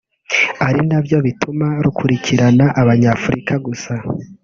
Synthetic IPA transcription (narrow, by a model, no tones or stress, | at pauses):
aɾinabjo̞βitʰumaɾukʰuɾicʰiɾanaʔaβaɲaːfuɾikʰaɡusa